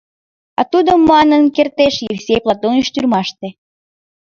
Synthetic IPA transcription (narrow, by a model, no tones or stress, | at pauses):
ɑ̰t̪ud̪əmːɑnənkert̪eʃjefsejplˠɑt̪oniʃt̪yrmɑʃt̪e